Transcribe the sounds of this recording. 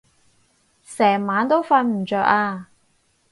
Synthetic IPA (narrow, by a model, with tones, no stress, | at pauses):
sɛː˨˩ŋmaː˨˥nt̪o˥wfɐ˧nm̩ː˨˩t͡ʃœː˧k̚aː˧